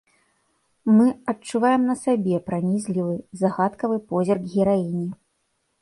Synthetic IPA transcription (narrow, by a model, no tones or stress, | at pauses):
mɨɐt͡ʂːuvajɛmnɐsabʲɛpɾanʲizʲlʲivɨzaɣat̪kɐvɨpɔzʲɛrɡɣʲiɾajinʲi